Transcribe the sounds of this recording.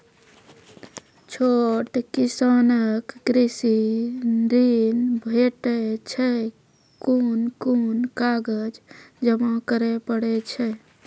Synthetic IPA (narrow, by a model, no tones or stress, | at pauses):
t͡ʃʰoʈkisanəkɡɾisi | ɾinbʱeʈɛt͡ʃʰɛ | kunkunkaɡəd͡ʒd͡ʒəmãkəɾepəɽɛt͡ʃʰɛ